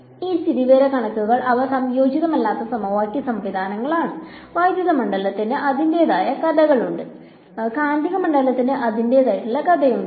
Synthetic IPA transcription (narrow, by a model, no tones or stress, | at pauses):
iːst̪iɾiʋeːɾɐkɐɳɐkːuɣɐɭʔɐʋɐsɐmjo̞ːd͡ʑiðɐmɐlːaːt̪ːɐsɐmɐʋaːkʲːɐsɐmʋid̪ʱaːnɐŋːɐɭaːɳɨʋaːjd̪jɐɣðɐmɐɳɖɐlɐt̪ːinɨʔɐðinde̞ːðaːjɐkɐðɐɣɐɭuɳɖɨ | kaːnd̪ɐɣɐmɐɳɖɐlɐt̪ːinɨʔɐðinde̞ðaːjiʈːuɭːɐkɐðɐjuɳɖɨ